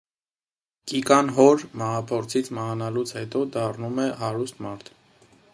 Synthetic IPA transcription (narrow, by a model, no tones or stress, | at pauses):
kikɑnɦɔɾmɑhɑpʰɔɾt͡sʰit͡sʰməɦɑnɑlut͡sʰhɛt̪ɔd̪ɑrnumɛɦɑɾust̪mɑɾt̪ʰ